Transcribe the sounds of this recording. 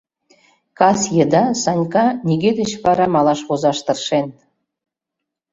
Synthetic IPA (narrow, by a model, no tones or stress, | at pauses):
kɑsjə̆d̪ɑsɑnʲkɑnʲiɡed̪ə̆t͡ɕβɑɾɑmɑlɑʃβozɑʃt̪ɤ̆rʃen